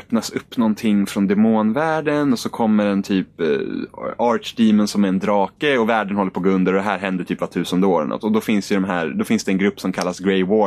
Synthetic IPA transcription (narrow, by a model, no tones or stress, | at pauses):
œpnasɵpːnɔnt̪ʰɪŋːfɾɔnd̪ɛmoːnvæːɖənɔsɔkʰɔmːəɖɛnt̪ʰyːp | ɑːɾʈd̪iːmənsɔmæɾɛnd̪ɾɑːkəɔvæːɖənhɔlːəpʰɔɡɵnd̪əɾɔd̪ɛɦæːɾɦɛnd̪əʈʰyːpvat̪ʰʉ̟ːsənd̪əoːɾɛ̰nʔɔ̰t̪ːɔd̪ɔfɪnsd̪ɛjəd̪ɔmɦæːɾd̪ɔfɪnsd̪ɛːnɡɾɵpːsɔmkʰalːasɡɾɛjwo